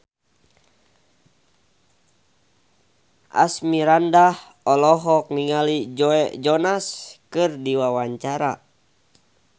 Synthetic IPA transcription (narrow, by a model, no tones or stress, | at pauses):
ʔa̰smiɾandah | ɔlɔɦɔk̚niŋalid͡ʒɔɛd͡ʒɔnaskɨrdiwawaɲt͡ʃaɾa